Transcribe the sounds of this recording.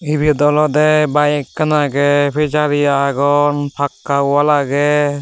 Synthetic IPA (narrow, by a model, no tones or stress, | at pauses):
ibid̪ɔlɔd̪ɛbajkːanaɡɛpʰed͡ʒaɾiaɡɔnpʰakːawalaɡɛ